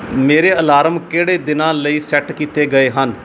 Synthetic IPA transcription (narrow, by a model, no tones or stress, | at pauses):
meːɾeːəlaːɾəmkeːɽeːd̪ɪnãːləiːsɛːʈkiːt̪eːɡəeːɦən